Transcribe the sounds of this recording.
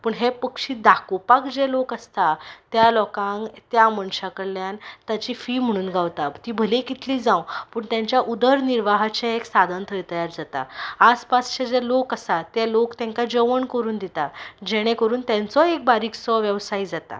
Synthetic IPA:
pəɳɦepəkʂiːd̪akupakd͡ʑelokəst̪at̪jalɔkãŋkt̪jaməɳɕakəɽljant̪jat͡ɕiːfiːm̤əɽ̃uːnɡʱaʋt̪at̪iːbʱəlekit̪ʰliːd͡zãwpəɳt̪jãɲt͡ɕjaʔud̪əɾniɾʋaɦat͡ɕaeksad̪ʱənt̪ʰəjt̪əjaɾd͡zat̪a̰aspast͡ɕad͡ʑelokəsat̪elokt̪jãŋkad͡ʑəʋəɳkəɾuːnd̪it̪ad͡ʑeɽ̃ẽkəɾuːnt̪jãnt͡sɔek̚baɾiːksɔʋjəʋsaid͡zat̪a̰

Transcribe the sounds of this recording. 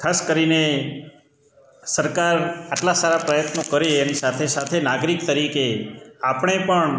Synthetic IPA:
kʰaskəɾine | səɾkaɾaʈlasaɾapɾəjət̪nokəɾeːnisat̪ʰesat̪ʰenaɡɾik̚t̪əɾikeapɳ̃epəɳ

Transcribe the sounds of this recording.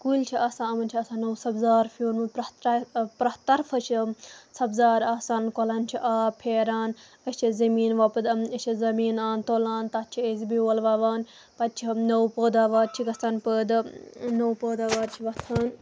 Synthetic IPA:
kult͡ʃʰiɐsãːɐmɐnt͡ʃʰiɐsãːnɐwsɐbzaːɾfuːnmɨpɾɐt̪pɾɐt̪ɐɾfɐt͡ʃʰisɐbzaːɾaːsaːnnkolɐːnt͡ʃʰiʔaːpʰeːɾaːn | ɐt͡ʃʰizɐmiːnʋɐpɨd̪ɐt͡ʃʰizɐmiːnaːnt̪oːlaːnt̪ɐt̪̚t͡ʃʰiezibiɐːlʋaːʋaːn | pɐt̪̚t͡ʃʰinɐwpəːd̪aːʋaːɾt͡ʃʰikɐst̪anpəːd̪ɨnɐwpəːd̪aːʋaːɾt͡ʃʰiʋɐt̪ʰaːn

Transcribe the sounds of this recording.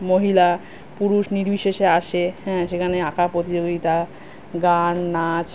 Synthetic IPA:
moɦila | puɾuʃniɾbiʃeʃeaʃehɛ̃ʃekʰaneakʰapɾot̪id͡ʑoɡit̪a | ɡanːat͡ɕ

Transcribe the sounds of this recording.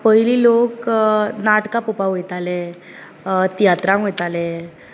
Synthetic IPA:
pəɦililoknaʈkapupaɦojt̪alɛ | t̪ijat̪ɾãɦojt̪ale

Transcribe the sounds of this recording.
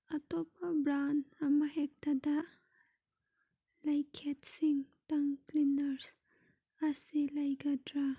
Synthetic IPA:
ɐt̪ɔp̚ɐbɾanɐmɐɦɛk̚tɐdɐ | lajkʰet̚siŋtɐŋklinɐɾs | ɐsilɐjɡɐdɾa

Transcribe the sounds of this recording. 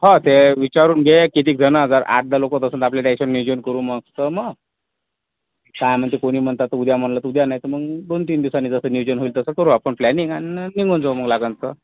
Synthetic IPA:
ɦat̪eʋit͡ɕaɾuːnɡʱekit̪iːk̚d͡zənəəd͡zaɾa̰ʈ̚ʰd̪alokot̪əsənt̪apljaʈeɕənːjud͡ʑənkəɾũːməɡt̪əməɡ | t̪ajm̤əd̪ʱekoɽ̃iːm̤əɳt̪at̪ːəud̪jam̤ənlət̪ud̪janajit̪əməɡd̪ont̪iːnd̪iwsanːiːd͡zəsəːnjud͡ʑənɦoilt̪əsəkəɾuːapəɳplɛniŋaniniŋɡʱond͡zam̤əɡlaɡənt͡sə

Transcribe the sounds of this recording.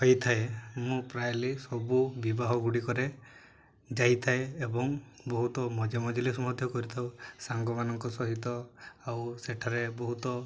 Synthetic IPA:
ɦɔjt̪ʰaemũpɾajlisɔbubibaɦɔɡuɽikɔɾe | d͡ʒajt̪ʰaeːbɔŋbɔɦut̪ɔmɔd͡ʒamɔd͡ʒɔlisɔmɔd̪ʱjɔkɔɾit̪ʰawsaŋɡɔmanɔŋkɔsɔɦit̪ɔawseʈʰaɾebɔɦut̪ɔ

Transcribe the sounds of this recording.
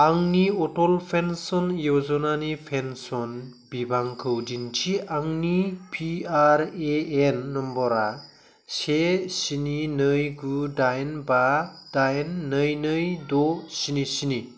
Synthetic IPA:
aŋniɔtɔlpʰensɔnjɔzɔnanipʰensɔn | bibʱaŋkʰɯwdintʰiʔaŋnipʰiaɾeːenːɔmbɔɾa | sesininɯjɡudajnbad̥ajnːɯjnɯjdɔsinisini

